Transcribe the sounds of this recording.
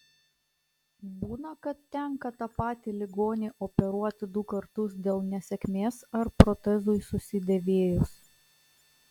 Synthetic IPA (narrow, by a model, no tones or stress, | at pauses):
buːnɐkɐt̪ːʲɛŋkɐt̪ɑpɑːt̪ʲilʲɪɡoːnʲeːʔɔpʲɛɾuɔt̪ʲɪd̪ʊkɐɾt̪ʊsd̪ʲeːlˠnʲɛsʲɛkʲmʲeːsɐɾpɾɔt̪ʲɛzʊɪsʊsʲɪd̪ʲɛʋʲeːjʊs